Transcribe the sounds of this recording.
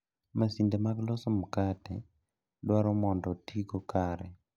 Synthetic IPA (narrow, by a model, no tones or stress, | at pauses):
masindemaɡlɔsɔmkatɛ | dwaɾɔmɔndɔtiɡokaɾɛ